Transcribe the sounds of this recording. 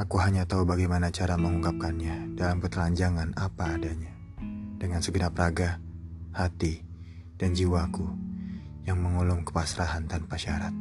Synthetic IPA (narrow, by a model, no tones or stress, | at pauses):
akuɦaɲat̪aubaɡajmanat͡ʃaɾaməŋuŋɡap̚kanɲadalampərt̪əlaɲd͡ʒaŋanapaːdaɲa | d̥əŋansəɡənapraɡahat̪i | d̥and͡ʒiwaku | jaŋməŋulʊmkə̥pasɾaɦant̪anpaʃaɾat̪̚